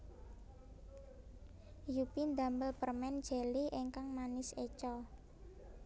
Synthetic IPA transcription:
jupind̪a̤mbəlpərmɛn̥d͡ʒ̥ɛ̤liʔeŋkaŋmanɪset͡ʃɔ

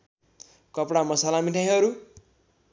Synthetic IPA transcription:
kʌpɽamʌsalamiʈʰajɦʌɾu

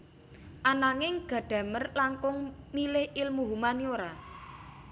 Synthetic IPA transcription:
ʔanaŋɪŋɡ̥ä̤ɖ̥ä̤mərlaŋkʊŋmilɪhʔɪlmuɦumanioɾa

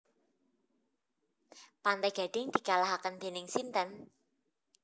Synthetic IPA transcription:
pant̪ajɡ̥a̤ɖ̥ɪŋd̪̥i̤kalaɦakənd̪̥e̤nɪŋsint̪ən

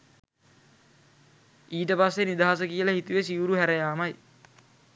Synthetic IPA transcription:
iːʈəpasːenid̪aɦas̬əkijələhit̪uʋesiʋuɾuɦæɾəjaːmaj

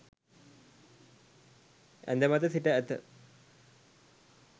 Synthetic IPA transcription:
ɛ̰nd̪emat̪əsiʈəæt̪ə̰

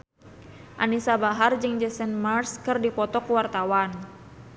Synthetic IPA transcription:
ʔanisabaɦard͡ʒɨŋd͡ʒɛsɛnmarskɨrdipɔt̪ɔkuwart̪awan

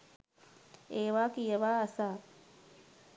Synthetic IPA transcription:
eːʋaːkijəʋaːsaː

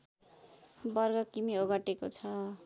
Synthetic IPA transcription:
bʌrɡʌkimioɡʌʈekot͡sʰʌ

